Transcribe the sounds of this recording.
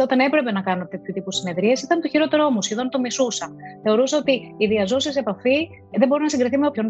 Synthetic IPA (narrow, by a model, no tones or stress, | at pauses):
ot̪ɐne̞pɾe̞pe̞nɐkɐnot̪etut̪ipusine̞ðɾiesisit̪ɐnt̪oçiɾo̞t̪e̞ɾo̞musçe̞ðo̞nt̪omisusɐθe̞o̞ɾusɐo̞t̪iːðiɐzo̞sise̞pɐfi | ðe̞bo̞ɾinɐsiŋɡɾiθimeopçon